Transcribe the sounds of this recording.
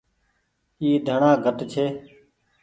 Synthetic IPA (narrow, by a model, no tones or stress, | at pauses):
iːd̪ʱəɳaːɡʱəʈt͡ʃʰeː